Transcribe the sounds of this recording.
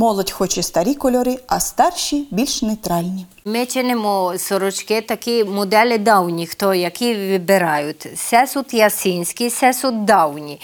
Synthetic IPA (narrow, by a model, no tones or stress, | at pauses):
mɔlˠɔtʲxɔt͡ʃɪst̪ɐɾʲikɔlʲɔɾiɐst̪ɑrʃʲibʲilʲʃnɛjt̪ɾɑlʲnʲi | mɪt͡ʃɪnɪmɔsɔɾʊt͡ʃkɪt̪ɐkimʊd̪ɛlʲɪd̪ɑwnʲixt̪ɔjɐkʲiʋʲɪbɪɾɑjʊt̪ʲsɛsut̪jɐsʲinʲsʲkisɛsut̪̚d̪ɑwnʲi